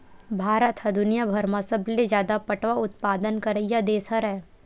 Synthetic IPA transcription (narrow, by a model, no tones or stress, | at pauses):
bʱaːɾət̪ɦɐd̪ʊnijabʱɐɾmãsɐbled͡ʒjaːd̪apɐʈʋaʊt̪paːd̪ənkɐɾəjad̪eːsɐɾɛː